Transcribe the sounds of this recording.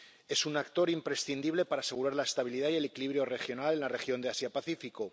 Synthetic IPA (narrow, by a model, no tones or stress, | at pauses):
e̞sunakt̪o̞ɾimpɾe̞sθind̪iβle̞paɾaːse̞ɣuɾaɾlae̞st̪aβ̞iliðaie̞le̞kiliβɾjo̞re̞xjo̞nale̞nlare̞xjo̞nd̪easjapaθifiko̞